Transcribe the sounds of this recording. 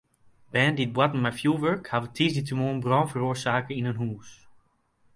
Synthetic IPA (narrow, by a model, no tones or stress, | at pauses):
b̥ɛndit̚bwatn̩majfjuʋøɹkhavətʰizditəmonbrɔ̃ːnfəroːɹsaːkəɪnənɦuːs